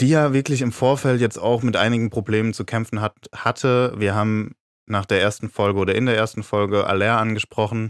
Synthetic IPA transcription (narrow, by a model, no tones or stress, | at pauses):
d̥iːjaːvɪɐklɪçɪmfoːɐfɛltjɛt͡sta̰ʊxmɪtʔa̰ɪnɪɡŋ̩pʁ̥obleːmənt͡sukʰɛmfn̩hathatʰəviːɐɦaːbm̩ | naːχd̥eːɐeːɐstn̩fɔlɡəʔoːɾɐɪndeːɐeːɐstn̩fɔlɡəʔa̰lɛːʔanɡəʃpʁ̥ɔχn̩